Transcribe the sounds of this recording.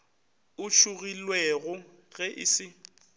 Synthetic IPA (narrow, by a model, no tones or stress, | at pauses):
ʊt͡ʃʰʊɣilweɣʊ | ɣɛʔɪ̰sɪ